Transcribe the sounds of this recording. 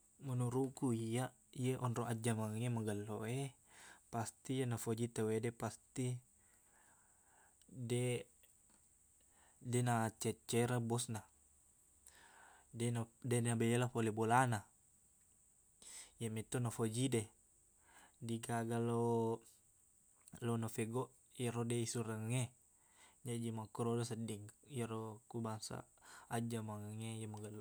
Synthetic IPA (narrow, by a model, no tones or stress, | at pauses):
munuɾukuia | ijeʔɔnroad͡ʒːamaŋemaɡalːoe | past̪ianafod͡ʒit̪awedepast̪i | de | denaːt͡ʃːɛt͡ʃːeɾabɔsna | denadenabelelapolebolana | jamit̪onafod͡ʒide | diɡaɡalo | lonofeɡɔʔ | jaɾodeisuɾəŋŋe | d͡ʒad͡ʒimakuɾodosədiŋjaɾokubaŋsa̰ad͡ʒamaŋəŋejamaɡal